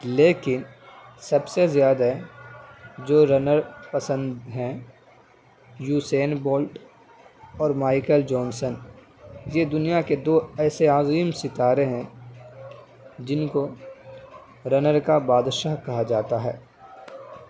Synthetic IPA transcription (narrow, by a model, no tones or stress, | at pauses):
leːkɪnsɐbsezjaːd̪ɦɛ | d͡ʒoːɾɐnəɾpɐsə̃nd̪ɦɛ̃ | juːseːnbɔːlʈ | ɔːɾmaːɪkəld͡ʒɔːnsən | jed̪ʊnijaked̪oːɛːseaːziːmsɪt̪aːɾeɦɛ̃ | d͡ʒɪnko | ɾɐnəɾkabaːd̪ʃəɦkɐɦad͡ʒaːt̪aɦɛ̰ː